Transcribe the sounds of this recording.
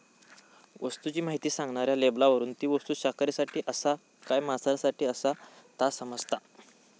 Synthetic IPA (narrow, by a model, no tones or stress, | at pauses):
ʋəst̪ut͡ɕiːmaɦit̪iːsãŋɡɳaɾjaleblaʋəɾuːnt̪iːʋəst̪uːɕakɾesaʈʰiːʔəsa | kajmasaɾsaʈiːəsat̪asəməd͡zt̪a